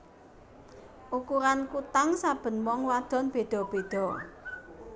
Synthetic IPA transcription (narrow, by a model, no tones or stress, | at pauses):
ʔukuɾankut̪aŋsab̥ə̤nwɔŋwad̪̥ɔ̤nb̥e̤d̪̥ɔ̤b̥ed̪̥ɔ̤